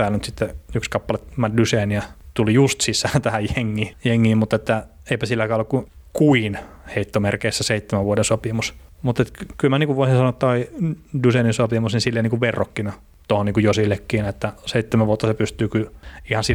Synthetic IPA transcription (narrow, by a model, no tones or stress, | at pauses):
æːlnyt̪sit̪ːeykskɑpːɑlet̪mɑdyseːniæt̪ulijust̪sisˑæːnt̪æhæjjeŋːiːjeŋːiːmmut̪ːet̪ːæ | eipæsilːækæːolːekku | kuin | heit̪ːomerkeisːæseit̪ːemæʋʋuodensopimusmut̪ːet̪kylmæniːkuʋʋoˑisinsɑnot̪ːɑidyseːninsopimusninsilːeniːkuʋʋerːokːinɑ | t̪ohoniːŋkujosilːekːiːnet̪ːæseit̪ːemæʋʋuot̪ːɑsepyst̪yːkyihɑnsi